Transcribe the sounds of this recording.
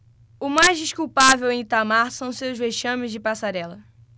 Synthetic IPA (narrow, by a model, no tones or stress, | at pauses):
ʊmajzd͡ʒiʃkuwpavewẽt̪amaɾsɐ̃w̃sewzveʃɐ̃mɪzd͡ʒɪpasaɾɛlɐ